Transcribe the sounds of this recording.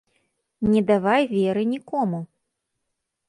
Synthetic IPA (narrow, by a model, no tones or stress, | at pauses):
nʲɛd̪avajvʲɛɾɨnʲikɔmu